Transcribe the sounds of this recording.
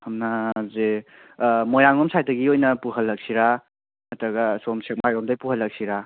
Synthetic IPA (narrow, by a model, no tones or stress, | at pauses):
hɐmnaze | mojaŋɔmsʰajtɐɡiojnɐpuɦɐlːɐk̚siɾa | mɐtɾɐɡɐsomsek̚majɡɔmdajpuhɐlːɐk̚siɾa